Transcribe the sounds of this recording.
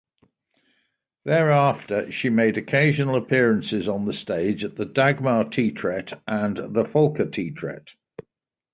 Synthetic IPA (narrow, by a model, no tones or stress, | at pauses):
ðəɹɑˑftəʃimeɪdəkʰeɪʒənələpʰɪəɹə̃nsɪzn̩ðəsteɪd͡ʒəʔðədaɡmaːtʰiːˑtʰɹ̥ɛtʰʔə̃nðəfʌlˠkʰətʰiːˑtʰɹ̥ɛ̰t